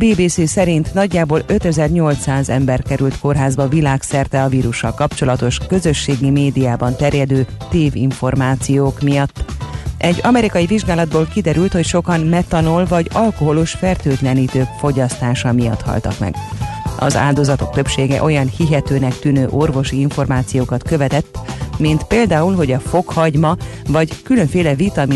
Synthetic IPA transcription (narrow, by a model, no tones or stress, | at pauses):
beːbeːseːsɛɾint̪nɒɟːaːboːlø̞t̪ɛzɛrɲo̞lt̪saːzɛ̰mbɛrkɛɾylt̪ko̞rɦaːzbɒvilaːksɛrt̪ɛɒviːɾuʃːɒ̰lkɒpt͡ʃo̞lɒt̪o̞ʃkø̞zø̞ʃːeːɡimeːd̪ijaːbɒnt̪ɛrjɛd̪øːt̪eːvḭɱfo̞rmaːt̪sijoːkmijɒt̪ːʔɛɟɒmɛɾikɒjiviʒɡaːlɒd̪boːlkid̪ɛɾylt̪ho̞cʃo̞kɒnmɛt̪ɒnolvɒɟɒlko̞ɦo̞luʃfɛrt̪øːt̪lɛniːt̪øːkfo̞ɟɒst̪aːʃɒmijɒ̰t̪hɒ̰lt̪ɒ̰kmɛ̰ɡʔɒ̰za̰ːld̪o̞zɒt̪o̞k̚t̪ø̞pʃeːɡɛ̰ʔo̞jɒnhiɦɛt̪øːnɛk̚t̪ynøːʔo̞rvo̞ʃiiɱfo̞rmaːt̪sijoːkɒt̪kø̞vɛt̪ɛt̪ːmint̪peːld̪aːulɦo̞ɟɒfo̞khɒɟmɒvɒɟkyløɱfeːlɛvit̪ɒmi